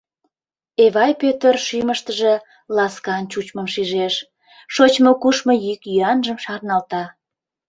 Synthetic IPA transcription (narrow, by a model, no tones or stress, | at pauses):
eβɑjpøt̪ərʃyməʃt̪əʒe | lɑskɑnt͡ɕut͡ɕmə̆mʃiʒeʃ | ʃot͡ɕmokuʃmojykjyɑnʒəmʃɑrnɑlt̪ɑ